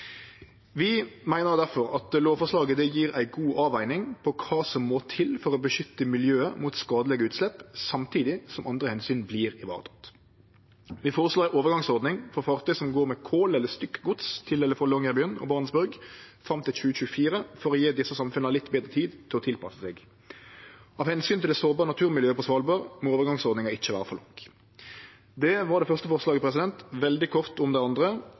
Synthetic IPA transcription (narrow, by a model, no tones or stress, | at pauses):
ʋɪmæɪnəʁd̪æʁfɔɾɑt̪loːʋfɔʂlɑːɡəd̪ɛjiːɾæɪɡuːʔɑːʋæɪnɪŋpʰɔkʰɑːsɔmːoːt̪ʰɪlfɔʁɔbəʃʏt̪ːəmɪljøːəmut̪skɑːd̪əlɛɡəʉːt̪slɛpːsɑmt̪ʰiːd̪ɪsɔmʔɑnd̪ʁəhɛnsyːnbliːʁɪʋɑ̰ːʁt̪ʰɑ̥t̪ | ʋɪfoːɾəsloːɾæɪʔoːʋəɡɑŋsɔʁd̪nɪŋfɔʁfɑʁt̪ʰœsɔmɡoːɾmɛkʰoːlɛlːəst̪ʏkːɡʊt̪st̪ʰɪlɛləfɔlɔŋːəbœnːɔ̰bɑːʁnəsbʉɾɡfʁɑmt̪ɪlɕʉːəɕʉːəfiːʁəfɔʁɔjeːd̪ɪsːəsɑmfʉnəlɪt̪ːbeːd̪ʁət̪ʰiːd̪t̪ʰɪlɔt̪ʰɪlpʰɑsəsɛːɡ | ɑʋhɛnsyːnt̪ʰɪld̪ɛsoːbɑːʁənɑt̪ʰʉːʁmɪljøːəpʰɔsʋɑːlbɑːʁmɔoːʋəɾɡɑŋsɔd̪nɪŋɑɪt͡ʃːəʋæːʁəfɔʁlʔʊ̰ŋk | d̪ɛʋɑʁd̪ɛfœʁst̪əfɔʁslɑːɡəpɾʁɛs̬ɪd̪ɛnt̪ʋɛld̪ɪkʰɔʁt̪ʊmd̪æɪɑnd̪ʁə